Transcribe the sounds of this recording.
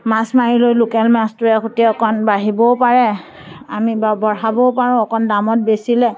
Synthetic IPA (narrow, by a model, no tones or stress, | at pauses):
masmaɹilojlokɛlmastʊɹɛkʰotiɛɔkʰɔnbaɦibɔpaɹɛ | amibabɔɹɦabɔʊpaɹʊ̃ɔkʰɔndamɔt̚besilɛ